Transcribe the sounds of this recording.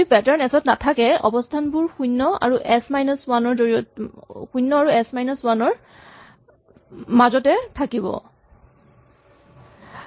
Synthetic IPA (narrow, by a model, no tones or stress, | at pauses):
ipɛtaɹnɛsɔtnatʰakɛɔ̰bɔstʰanbuɹxujnːɔa̰ɹuʔɛsmajnɔswanɔɹzoɹijɔtxujnːɔaɹuɛsmajnɔswanɔɹ | mazɔtɛtʰakibɔ̰